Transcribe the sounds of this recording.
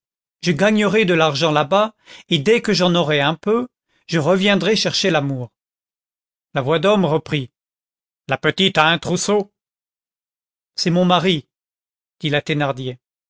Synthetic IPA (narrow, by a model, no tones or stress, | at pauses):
ʒəɡaɲəʁɛd̪əlaʁʒɑ̃labaed̪ɛkəʒɑ̃nɔʁɛɛ̃pø | ʒ̥əʁəvjɛ̃d̪ʁɛʃɛʁʃelamuːʁ | lavwad̪ɔmʁəpχi | lapət̪it̪aɛ̃t̪χuso | sɛmɔ̃maʁi | d̪̥ilat̪enaʁd̪je